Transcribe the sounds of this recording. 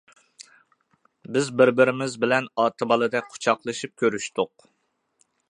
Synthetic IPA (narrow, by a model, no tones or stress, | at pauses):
bɪzbɪɾbɪɾɪmɪzbɪlɛnɑːt̪ʰɨbɑlˠɨd̪ɛk̚ʲqʰʊ̥t͡ʃʰɑqlˠɨʃip̚kʲøɾyʃt̪ʊq